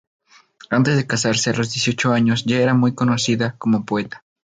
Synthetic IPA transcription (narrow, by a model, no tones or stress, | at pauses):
ant̪e̞zðekasaɾsealo̞zðjesjot͡ʃoaɲosʝaeɾamujkonosiðakomopoet̪ḁ